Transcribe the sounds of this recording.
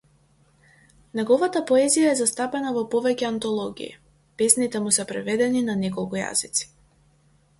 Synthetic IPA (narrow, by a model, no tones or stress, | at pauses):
nɛɡɔvat̪apɔɛzijaɛzast̪apɛnavɔpɔvɛcɛant̪ɔlˠɔɡḭḭ | pɛsnit̪ɛmusɛpɾɛvɛd̪ɛninanɛkɔlˠkuja̰zit̪si̥